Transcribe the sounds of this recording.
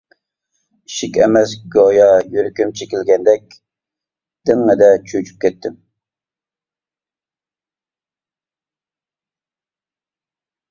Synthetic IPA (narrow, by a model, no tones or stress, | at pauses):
iʃikʲɛmɛsɡojɑjyɾkʲymt͡ʃʰekʲɪlɡʲɛnd̪ɛk̚ʲ | d̪̥ɪŋːɛd̪ɛt͡ʃʰøt͡ʃʰy̥p̚kʲɛt̪ːɪm